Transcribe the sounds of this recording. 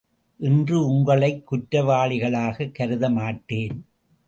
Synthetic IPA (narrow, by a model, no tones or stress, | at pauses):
ʔɪndrɯʊŋɡɐɭɐɪkːʊʈɾɐʋaːɭɪɣɐɭaːɣɐkːɐɾɯðɐmaːʈːeːn